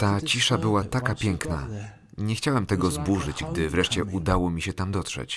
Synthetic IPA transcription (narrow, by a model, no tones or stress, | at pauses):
t̪at͡ɕiʂabɘwat̪akapʲjɛŋkna̰ | ɲɛxt͡ɕawɛmt̪ɛɡɔzbuʐɘd͡ʑɡd̪ɘvɾɛʂt͡ɕɛʔud̪awɔmʲiɕɛt̪amd̪ɔt̪ʂɛ̰t͡ɕ